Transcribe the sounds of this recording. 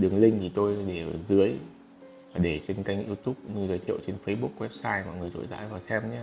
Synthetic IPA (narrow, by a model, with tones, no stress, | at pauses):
ɗɨ˨˩əŋlï˧ŋ̟t̪ʰi˨˩t̪o˧jɗe˧˩ʔəː˧˩zɨ˨˦əj | vaː˨˩ɗe˧˩t͡ɕe˧nka˧jŋ̟ʔi˧wt̪u˦˥p̚ɲɨ˧zəː˨˧jt̪ʰḭ˧˨əwt͡ɕe˧nfə˧jɓu˦˥k̚wɛ˦˥p̚saː˧jmɔ̰˧˨jŋɨ˨˩əjto̰˧˨jza̰ː˧˥jvaː˨˩sɛ˧mɲaː˧